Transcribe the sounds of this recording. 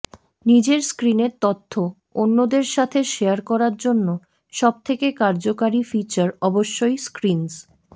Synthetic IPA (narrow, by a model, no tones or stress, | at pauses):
nid͡ʑeɾskɾineɾt̪ot̪ʰːo | onːod̪eɾʃat̪ʰeʃejaɾkɔɾaɾd͡ʑonːo | ʃɔb̚t̪ʰekekaɾd͡ʑokaɾifit͡ɕaɾɔboʃːojskɾins